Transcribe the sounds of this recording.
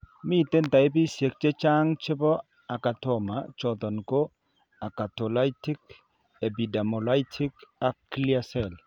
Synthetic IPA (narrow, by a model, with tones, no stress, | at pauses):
mi˦˨te˦nta˨i˦b̬i˦sje˨k̚t͡ʃe˦t͡ʃa˦ŋt͡ʃɪ˦bɔ˦ | a˨ka˨tɔ˦˨ma˨t͡ʃɔ˨t̪ɔ˨nko˦ | a˨ka˨tɔ˨la˦jtɪ˦k | ɛ˨bi˨da˨mɔ˨la˦jtʰɪ˦ka˦klia˦sɛ˨l